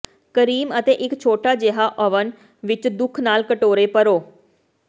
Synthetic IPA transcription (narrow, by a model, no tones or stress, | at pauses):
kəɾiːmət̪eːʔɪkt͡ʃʰoːʈaːd͡ʒeɦaːʔɔʋən | ʋɪt͡ʃd̪ʊkʰnaːlkəʈoːɾeːpəɾoː